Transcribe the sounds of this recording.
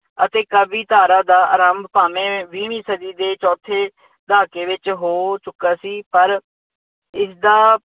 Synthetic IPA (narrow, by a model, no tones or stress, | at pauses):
ət̪eːkəbiːt̪aːɾaːd̪aːʔə̰ɾəmbpaːmẽːʋiːɳiːsəd̪iːd̪eːt͡ʃɔːt̪ʰeː | d̪aːkeːʋɪt͡ʃɦoːt͡ʃʊkːaːsiːpəɾ | ɪsd̪aː